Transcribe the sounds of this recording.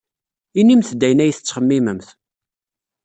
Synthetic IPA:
inːimθd̪ːæjnæjθət͡sːχəmːiməmθ

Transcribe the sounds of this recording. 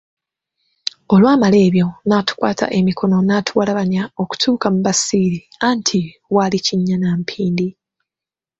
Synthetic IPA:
o̞lwaːmale̞ːβjo̞naːtu̥kwa̰ːtʰa̰ʔe̞mikʰo̞no̞naːtʰuwalaβaɲao̞ku̥tʰuːkamuβasiːɾi | aːntʰi | waliciɲːanaːmpʰiːndi

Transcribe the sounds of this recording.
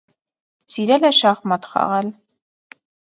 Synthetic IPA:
t͡siɾɛlɛʃɑχmɑt̪χɑ̰ʁɛl

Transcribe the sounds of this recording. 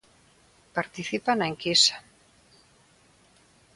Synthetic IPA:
paɾt̪iθipanaeŋkisḁ

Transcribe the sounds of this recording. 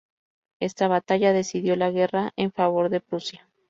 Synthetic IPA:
e̞st̪aβat̪aʝaðe̞siðjo̞laɣe̞raʔeɱfaβ̞o̞ɾðe̞pɾusja

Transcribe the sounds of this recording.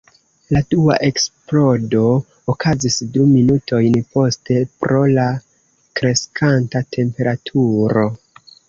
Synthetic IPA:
ladua̰ʔe̞ksplo̞do̞ː | kazisduminutʰo̞jnpo̞ste̞pɾo̞la | kɾe̞skʰantatʰe̞mpe̞ɾatʰuɾo̞

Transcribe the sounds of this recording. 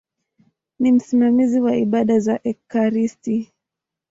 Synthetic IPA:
nim̩simamiziwaiɓaɗazaʔɛkaɾisti

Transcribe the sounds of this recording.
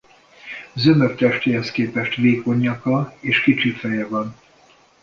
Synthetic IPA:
zømøkt̪ɛʃt̪eːɦɛskeːpɛʃt̪veːko̞ɲːɒkɒeːʃkit͡ʃifɛjɛvɒn

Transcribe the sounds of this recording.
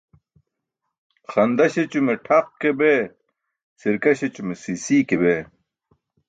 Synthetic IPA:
xɐnd̪ɐɕet͡ɕumeʈʰɐq̚kebe | siɾkɐɕet͡ɕumesisiːkebeː

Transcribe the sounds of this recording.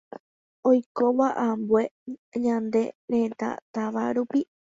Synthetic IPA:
ojkoβaʔambwe̞ɲãnd̪e̞̰ɾẽt̪a̰t̪aʋaɾupi

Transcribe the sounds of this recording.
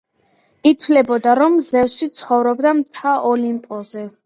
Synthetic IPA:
it̪ʰwlɛbɔd̪aɾɔmzɛvsit̪sʰχɔvɾɔbd̪amt̪ʰaʔɔlimpʼɔzɛ

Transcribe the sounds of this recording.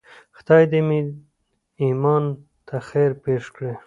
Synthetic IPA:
xt̪ɑjd̪emi | imɑn | t̪ʰaxeɾpeʂkɽe

